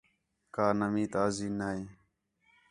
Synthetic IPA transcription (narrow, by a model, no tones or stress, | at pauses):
kaːnəmĩːt̪aːziːnaːiː